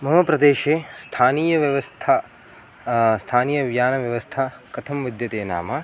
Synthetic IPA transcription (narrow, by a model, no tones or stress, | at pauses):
mɐɦɐpɾɐd̪eːʃeːst̪ʰaːniːjɐʋjɐʋɐst̪ʰa | st̪ʰaːniːjɐʋjaːnɐʋjɐʋɐst̪ʰakɐt̪ʰɐmʋid̪jɐt̪eːna̰ːmɐ